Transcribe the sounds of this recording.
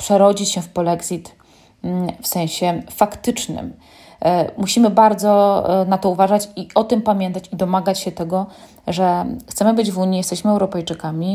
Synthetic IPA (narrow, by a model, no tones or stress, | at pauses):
pʂɛɾɔd͡ʑit͡ɕɕɛfpɔlɛɡzʲit̪ | fsɛ̃w̃ɕɛfakt̪ɘt͡ʂnɘ̰m | muɕimɘbaɾd̪zɔnat̪ɔuvaʐat͡ɕiɔt̪ɘmpamʲjɛnt̪at͡ɕid̪ɔmaɡat͡ɕɕɛt̪ɛɡɔ | ʐɛt̪sɛmɘbɘd͡ʑvuɲijɛst̪ɛɕmɘɛwɾɔpɛjt͡ʂɘkamʲi